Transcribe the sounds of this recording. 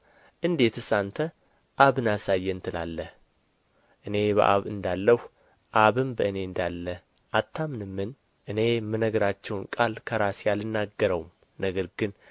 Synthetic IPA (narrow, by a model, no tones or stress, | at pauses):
ʔɨnd̪e̞t̪ɨsant̪ʰə | ʔaβɨnasajːɛnt̪ʰɨlalːəh | ʔɨne̞βə̰ʔa̰βɨnd̪alːəh | ʔaβɨmbəʔɨne̞ɨnd̪alːə | ʔat̪ʰːamnɨmːɨn | ʔɨne̞mɨnəɡɾat͡ʃːɛwnkʼalkʰəɾasjalɨnːaɡːəɾəwum | nəɡəɾɡɨn